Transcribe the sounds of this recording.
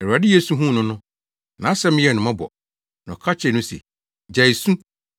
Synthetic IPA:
ɛ˨ɾu˨a˨dɪ˦je˦sũ˦ɦũ˦˨nʊ̃˦nʊ̃˦ | nã˨˦sɛ˦mɪ̃˦jɛ˨nʊ̃˨mã˦bɔ̰˨ | nɔ̃˨kʰa˦t͡ɕʰɛ˨nʊ̃˦sɛ̰˨ | d͡ʑa˨i˨sũ˦

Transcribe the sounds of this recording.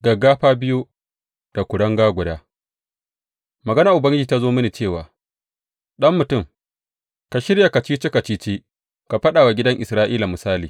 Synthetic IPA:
ɡɐ˨ɡːaː˦ɸaː˦bɪ˦ju˦ | d̥a˨kʷʊ˨ɽɐ˦ŋɡaː˦ɡʷʊ˨daː˦ | mɐ˨ɡɐ˦naː˨ʔʊ˨bɐ˦ŋɡʲɪ˦d͡ʒiː˨ta˦zoː˦mɪ˦niː˨t͡ʃeː˦˨waː˨ | ɗɐ˦mːʊ˨tʊ˦˨m | ka˨ʃɪ˦ɾja˨ka˨t͡ʃiː˦t͡ʃe˦ka˨t͡ʃiː˦t͡ʃeː˦ | ka˨ɸɐ˦ɗaː˨wa˨ɡʲɪ˦dɐ˦ŋʔɪ˨sɾaː˦ʔiː˦la˨mʊ˨saː˦liː˨

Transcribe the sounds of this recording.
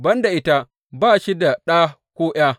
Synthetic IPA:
bɐ˦nda˨ʔɪ˦ta˦ | baː˦˨ʃi˦da˨ɗa˦ | kʷoː˦ʔj̰ʲaː˦

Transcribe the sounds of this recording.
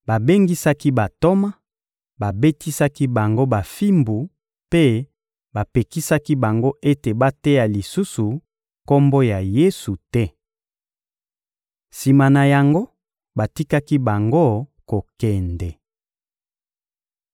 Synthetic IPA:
ba˨be˦ŋɡi˦sa˦ki˦ba˨to˦ma˦ | ba˨be˦ti˦sa˦ki˦ba˨ŋɡo˦ba˨fi˦mbu˨ | pe˦ | ba˨pe˨ki˦sa˦ki˦ba˨ŋɡo˦ʔe˦te˨ba˦tɛ˦ja˨li˨su˦su˨ | ko˦mbɔ˦ja˨je˦su˨tɛ˦ | si˨ma˨na˨ja˨ŋɡo˦ | ba˨ti˦ka˦ki˦ba˨ŋɡo˦ko˨kɛ˨ndɛ˨

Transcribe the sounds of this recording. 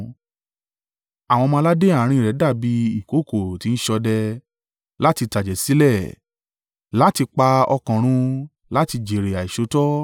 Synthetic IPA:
a˨w̃ɔ̃˧mã˧˦la˦de˦a˦˨˦ɾ̃ĩ˧˨ɾɛ˨˦da˦˨bi˨˦i˦˨ko˨˦ko˦˨ti˨˦n̩˦ʃɔ˧dɛ˧ | la˦ti˧ta˨d͡ʒɛ˨si˨˦lɛ˦˨ | la˦ti˧k͡pa˧ɔ˧kɔ̃˨ɾ̃ũ˧ | la˦ti˧d͡ʒe˨ɾe˨a˨i˨ʃo˨˦tɔ˦

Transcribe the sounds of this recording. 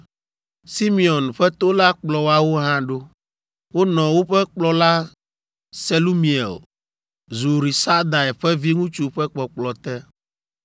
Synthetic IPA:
si˦mi˨ɔ˨nɸɛ˦t̪o˦la˦k͡plɔ˨wa˦wo˦ɦã˦ɖo˦ | wo˦nɔ̃˨wo˦ɸɛ˦k͡plɔ˦la˦ | se˦lu˦mĩ˨ḛ˨l | zu˨ɾi˨sa˦d̪a˨ɛ˨ɸɛ˦vi˦ŋũ˦t͡ʃu˦ɸɛ˦k͡pɔ˨k͡plɔ˨t̪ɛ˦

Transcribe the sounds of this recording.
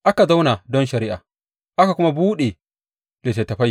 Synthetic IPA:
ʔa˦ka˨za˦wna˨dɔ˦nʃɐ˨ɾi˦ʔa˨ | ʔa˦ka˨kʷʊ˦ma˦buː˦ɗe˨ | le˨te˨tɐ˨ɸa˦

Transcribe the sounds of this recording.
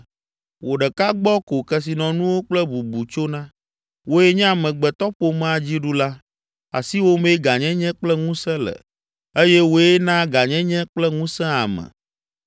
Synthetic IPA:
wo˨ɖɛ˨ka˦ɡ͡bɔ˦ko˨kɛ˦s̬i˨nɔ̃˨nũ˦wo˦k͡plɛ˦bu˨bu˨t͡ʃo˦nã˦ | wo˦e˦ɲɛ̃˦a˨mɛ̃˨ɡ͡bɛ˨t̪ɔ˦ɸo˨mã˦a˨d͡ʑi˦ɖu˦la˦ | a̰˨si˦wo˦mẽ˦ɡa˨ɲɛ̃˦ɲɛ̃˦k͡plɛ˦ŋũ˦sɛ̃˦lɛ̰˨ | e˦jɛ˦wo˦e˦nã˦ɡa˨ɲɛ̃˦ɲɛ̃˦k͡plɛ˦ŋũ˦sɛ̃˦a̰˨mɛ̰̃˨

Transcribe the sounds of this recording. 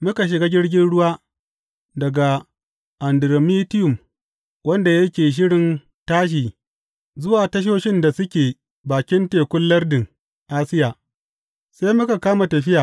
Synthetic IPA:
mʊ˦ka˨ʃ̬ɪ˨ɡaː˦ɡʲɪ˦ɽɡʲɪ˦nɽʊ˦waː˦ | dɐ˨ɡa˨ | ʔa˨ndɪ˨ɾo˨mi˦tɪ˦jʊ˨m | wɐ˦nda˨jɐ˦kʲeː˨ʃ̬ɪ˦ɽɪ˨n | taː˦ʃ̬iː˨ | zʊ˦waː˨tɐ˦ʃ̬oː˦ʃɪ˦nda˨sʊ˦kʲeː˨ | baː˨kʲɪ˦nteː˨kʷʊ˦lːɐ˦rdɪ˨ŋ | ʔaː˦sɪ˦jaː˨ | seː˦mʊ˦ka˨kaː˦ma˨tɐ˨ɸɪ˦jaː˨

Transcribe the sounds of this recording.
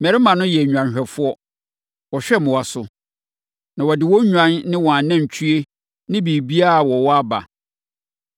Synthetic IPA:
mɛ˨ɾɪ˦mã˨nʊ̃˦jɛ˨ɲᶣu˨ã˨nɕᶣɛ˨fʊ˦ɔ˦ | wɔ˨ɕᶣɛ˦mʊ̃˨wa˨sʊ˨ | nã˨wɔ˨dɪ˨wɔ˦ɲᶣã˦nːɪ̃˦wɔ˨a˨nã˦˨ɲ˨t͡ɕʰɥe˦ | nɪ̃˦bi˨bi˦a˦˨wɔ˨wɔ˦a˦ba̰˨

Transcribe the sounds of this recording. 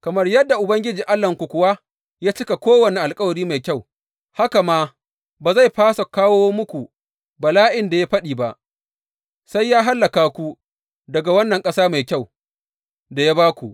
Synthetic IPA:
kɐ˨mɐ˦rjɐ˦dːa˨ʔʊ˨bɐ˦ŋɡʲɪ˦d͡ʒiː˨ʔa˦lːɐ˨ŋkʷu˨kʷʊ˨wa˦ | jaː˦t͡ʃɪ˦ka˨kʷoː˦wɐ˨ni˨ʔa˨lkʼɐ˦wɐ˨ɾiː˦ma˨jkʲa˦˨w | ha˦ka˨maː˦ | baː˨za˦˨jɸaː˦sa˨kaː˦woː˦mʊ˦kʷu˨ | bɐ˨laː˦ʔɪ˨nda˨ja˦ɸɐ˦ɗiː˨ba˦ʔ | sa˦jːaː˦ɦa˦lːɐ˨kaː˨kʷu˦ | dɐ˨ɡa˨wɐ˦nːɐ˨ŋkʼɐ˦saː˦ma˨jkʲa˦˨w | da˨ja˦baː˦kʷu˨ʔ

